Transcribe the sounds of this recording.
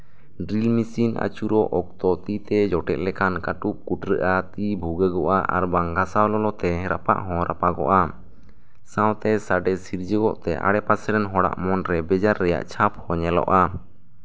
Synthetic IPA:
ɖɾilmisina̰t͡ʃuɾɔʔɔk̚t̪ɔt̪it̪ɛd͡ʒɔʈɛt̪̚lɛkʰankaʈup̚kuʈɾəʔat̪ibʱuɡəɡɔʔaʔa̰ɾbaŋɡʱasawlɔlɔt̪ɛɾapa̰ʔɦɔ̃ɾapaɡɔ̰ʔa | sãwt̪ɛsaɖɛsiɾd͡ʒəɡɔ̰ʔt̪ɛʔa̰ɽɛpasɛɾɛnɦɔɽa̰ʔmɔnɾɛbɛd͡ʒaɾːɛja̰ʔt͡ʃʰaphɔɲɛlɔ̰ʔa

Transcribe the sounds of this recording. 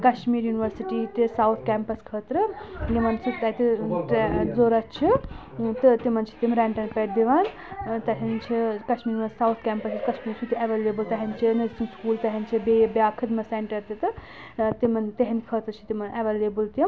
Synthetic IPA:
kɐʃmiːɾjuniʋəɾsiʈit̪isawt̪ʰkɛmpɐskʰət̪ɾɨjimɐnsut̪ɐt̪iʈd͡zoɾɐt͡ʃʰi | t̪ɨt̪imɐnt͡ʃʰi̥t̪imɾɛɳʈɐnpeʈd̪iʋan | t̪ɐɦint͡ʃʰikɐʃmiɾjunʋəsawt̪ʰkʲɛːmpɐsiskɐʃmiːɾsʰut̪ieʋeleːbɨlt̪ɐɦint͡ʃʰinɐzisinskuːlt̪ɐɦɐnt͡ʃʰibebjaːkʰɐd̪mɐseɳʈɐɾt̪it̪ɨ | t̪imɐnt̪eɦɐnikʰət̪ɾt͡ʃʰi̥t̪imɐnʔeʋelebɨlt̪im

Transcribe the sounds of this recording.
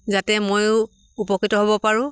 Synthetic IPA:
zatɛmoj | upɔkːitɔɦobɔpaɹʊ̃

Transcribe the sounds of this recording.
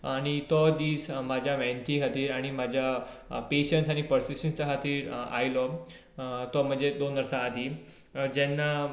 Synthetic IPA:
aɽ̃it̪ɔd̪iːsmad͡ʑʱjaʋɛ̃nt̪ʰiːɦat̪iːɾaɽ̃imad͡ʑʱja | peɕəɳʈsaɽ̃ipəɾsisʈənst͡saɦat̪iːɾa̰jlɔ | t̪ɔm̤əɳd͡zed̪onəɾsaːd̪i | d͡ʑɛnːa

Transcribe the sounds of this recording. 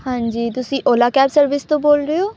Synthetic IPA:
hãːɲd͡ʒiːt̪ʊsĩːʔoːlaːkɛːbsəɾʋɪst̪õːboːlɾejoː

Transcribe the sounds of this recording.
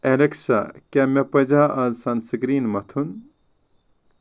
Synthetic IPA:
eɾeksa̰kʲɐmɐpɐd͡ʒaʔɐzsɐnsɡɾiːnmɐt̪ʰun

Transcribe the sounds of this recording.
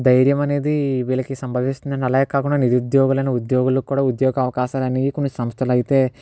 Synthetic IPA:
d̪ɐjɾjɐmɐne̞ːd̪iʋiːlɐkisɐmbʱɐʋist̪und̪ɐnɐlɐjekaːkuɳɖaniɾud̪jɔːɡulɐjnɐud̪jɔːɡulukːuːɽaːud̪jɔːɡɐɐʋɐkaːʃaːlɐnikonːisɐmst̪ʰɐlɐjit̪e̞ː

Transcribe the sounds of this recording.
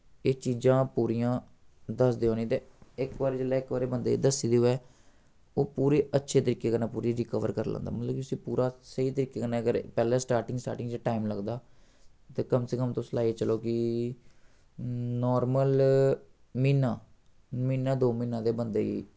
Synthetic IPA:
eːt͡ʃiːzãːpuːɾiːjãː | d̪əsd̪eːɦõːnĩːt̪eːɪkʋaːɾeːd͡ʒəlɛːɪkʋaːɾeːbənd̪ḛḭːd̪əsiːd̪eːoeː | oːpuːɾeːətːʃʰeːt̪əɾiːkːeːkənaːpuːɾiːɾɪkəʋə̰ɾkəɾlã̰ːnd̪aːmət̪ləbkit̪ʊsĩːpuːɾaːsəiːt̪əɾiːkːeːkənãːəɡəɾpɛːlɛːsʈaːɾʈɪŋɡsʈa̰ːɾʈɪŋɡd͡ʒaːʈaːimləɡd̪aː | t̪eːkəmsekəmt̪õːsəlaːit͡ʃəloːkɪ | nɔːɾməl | miːnãː | miːnãːd̪oːmiːnãːd̪eːbənd̪eːḭː

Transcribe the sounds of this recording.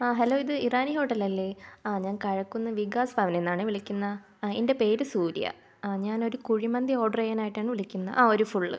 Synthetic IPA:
aːɦɐloːiðɨiraːniɦo̞ːʈːɐlɐlːeaːɲaːnkɐɻɐkːunːɐʋiɡaːsbʱaːʋɐne̞nːaːɳɨʋiɭikʲːunːɐ | ende̞pe̞ːɾɨsuːɾḭjɐ̰ | ɲaːno̞ɾukuɻimɐnd̪jio̞ːɖɐrejɐnaːjiʈːaːɳɨʋiɭikʲːunːɐ̰ʔaːo̞ɾufuɭːɨ

